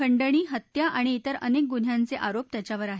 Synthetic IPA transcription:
əɳɖəɽ̃iːɦət̪jaʔaɽ̃iːt̪əɾə̰nek̚ɡun̤jant͡seʔaɾop̚t̪jat͡ɕjaʋəɾaɦe

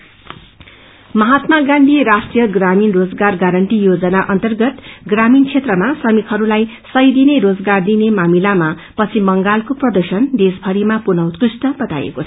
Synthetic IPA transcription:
mʌɦat̪maɡãnd̪ʱiɾasʈrijʌɡraminrod͡zɡarɡaɾʌɳʈijod͡zʌnaʔʌnt̪ʌrɡʌt̪ɡramint͡sʰet̪rʌmasʌmikɦʌɾulaj | sʌjd̪ineɾod͡zɡard̪inemamilama | pʌt͡sʰimʌŋɡalkoprʌd̪ʌrsʌnd̪esbʱʌɾimapunʌwt̪krusʈʌbʌt̪a̰jḛkot͡sʰʌ

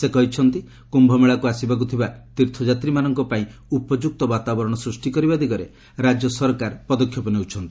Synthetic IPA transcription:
sekɔɦit͡ʃʰɔnt̪i | kumbʱɔmeɭakuasibak̬ut̪ʰibat̪iɾt̪ʰɔd͡ʒat̪ɾimanɔŋkɔpaĩupɔd͡ʒuk̚t̪ɔbat̪abɔɾɔɽ̃ɔsɾusʈikɔɾibad̪iɡɔɾe | ɾad͡ʒjɔsɔɾkaɾpɔd̪ɔkʰːjɔpɔneut͡ʃʰɔnt̪i̥

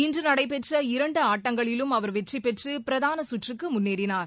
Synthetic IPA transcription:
ɪndrɯnɐɽɐɪp̬ɛʈrɐɪɾɐɳɖɯaːʈːɐŋɡɐɭɪlɯmɐʋɐɾʋɛʈripːɛʈrɯppɪɾɐðaːnɐsʊʈrɯkːɯmʊnːeːɽɪnaːɾ

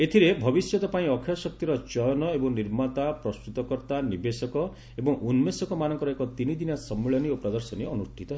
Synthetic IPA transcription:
et̪ʰiɾebʱɔbisjɔt̪ɔpaĩɔkʰjɔsɔk̚t̪iɾɔt͡ʃɔjɔnɔebɔŋniɾmat̪apɾɔst̪ɾut̪ɔkɔɾt̪anibesɔkɔ | ebɔŋʔunmesɔkɔmanɔŋkɔɾɔekɔt̪inid̪inasɔmːiɭɔniopɾad̪ɔɾsɔnieɔnusʈʰit̪ɔɦe

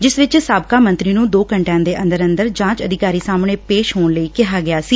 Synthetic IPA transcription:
d͡ʒɪsʋɪt͡ʃsaːb̚kaːmə̃nt̪ɾiːnũːd̪oːkəɳʈãːd̪eːʔə̃nd̪əɾə̃nd̪əɾd͡ʒãːt͡ʃəd̪ɪkaːɾiːsaːmɳeːpeːʃɦoːɳləiːkɪɦaːɡɪjaːsiː

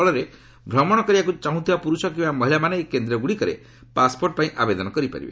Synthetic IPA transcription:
ɭɔɾe | bʱɾɔmɔɽ̃ɔkɔɾibakut͡ʃaɦũt̪ʰibapuɾusɔk̬ĩmbamɔɦilamaneekend̪ɾɔɡuɽikɔɾḛ | paspoɾʈpaĩʔabed̪ɔnɔkɔɾipa̰ɾḭbḛ

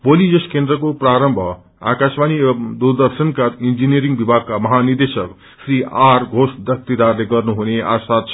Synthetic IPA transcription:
bolid͡zʌskend̪ɾʌkopraɾʌmbʱʌ | a̰kasmanimd̪uɾd̪ʌɾsʌnkaind͡ʒinieɾiŋɡbibʱaɡ̚kamʌɦanird̪esʌk | sɾiaɾɡʱosb̪ʱjʌk̚t̪id̪arleɡʌrnuɦunea̰sat̪̚t͡sʰ

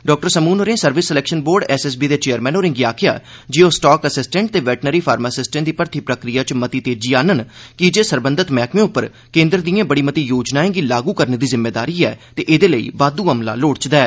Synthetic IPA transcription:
ɖɔːk̚ʈəɾsəmuːnoɾẽːsəɾʋɪsːəlɛːkʃənboːɾɖɛːsɛs̬biːd̪eːt͡ʃeːəɾmɛ̃ːnoːɾɪ̃ŋɡiaːkʰɪja̰ːd͡ʒioːsʈaːkəsɪsʈɛ̃ɳʈ̚t̪eːʋɛːʈnəɾiːpʰaːɾmasɪsʈẽnd̪iːpəɾt̪ʰiːpɾəkɾijaːt͡ʃmət̪iːt̪eːd͡ʒiːaːnənkɪd͡ʒeːsəɾbə̃nd̪ət̪mɛːkmẽːʊpːəɾ | kẽːnd̪ɾəd̪ijãːbəɽiːmət̪iːjoːd͡ʒnaːẽːɡiːlaːɡuːkəɾneːd̪iːzɪmːeːd̪aːɾiːɛːt̪eːʔed̪eːləḭːʋaːd̪uːɦəmla̰ːloːɽt͡ʃd̪ɛː

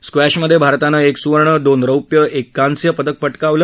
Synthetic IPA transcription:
skʋæɕməd̪ʱːjebʱaɾt̪anəeksuʋəɾɳəd̪onɾəwpjəʔekːansjəpəd̪ək̚pəʈkaʋlə

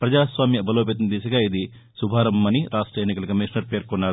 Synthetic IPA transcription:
pɾɐd͡ʒaːsʋaːmjɐbʱɐloːp̬eːt̪̬ɐnd̪iːsɐɡaːid̪i | subʱaːɾɐmɐniɾʔaːʂʈɾɐenːikɐlɐkɐmiʂnɐɾpeːɾkunːaːɾu

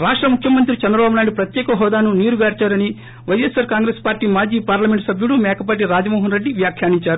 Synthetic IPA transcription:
ɾaːʂʈɾɐmukʰjɐmɐnt̪̬ɾit͡ʃɛnd̪ɾɐbaːbunaːjiɽipɾɐt̪jɛːkɐɦɔːd̪aːnuniːɾuɡaːɾt͡ʃaːɾɐni | ʋɐjesaːɾkaːŋɡɾeːspaːɾʈiːmaːd͡ʒiːpaːɾlɐmeɳʈsɐbʱjuɽumɛːkʰɐp̬aʈ̬iɾaːd͡ʒɐmɔːɦɐnɾeɖːiʋjaːkʰjaːniɲt͡ʃaːɾu

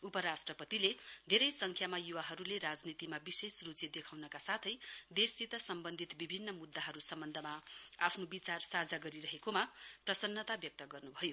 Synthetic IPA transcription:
upʌɾasʈrʌpʌt̪iled̪ʱeɾʌjsʌŋkʰjamajuwaɦʌɾuleɾad͡znit̪imabisesrut͡sjid̪ekʰawnʌkasat̪ʰʌjd̪esit̪ʌsʌmbʌnd̪ʱit̪bibʱinːʌmud̪ːaɦʌɾusʌmbʌnd̪ʱʌmaapʰnobit͡sarsad͡zaɡʌɾiɾʌɦekomaprʌsʌnːʌt̪abjʌk̚t̪ʌɡʌrnubʱʌjo

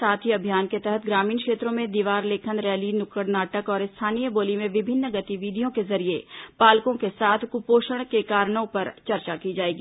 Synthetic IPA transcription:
saːt̪ʰiɐbʱijaːnket̪ɛɦət̪ʰɡɾaːmiːnkʃeːt̪ɾõmẽd̪iːʋaːɾleːkʰənɾɛːlinʊkəɽnaːʈəkɔːɾɪst̪ʰaːniːjəboːlimẽʋɪbʱɪnːɡɐt̪iʋiːd̪ʱijõkezɐɾijepaːlkõkesaːt̪ʰkʊpoːʃəɽ̃kekaːɾɽ̃õpɐɾt͡ʃɐɾt͡ʃakid͡ʒaːeːɡiː

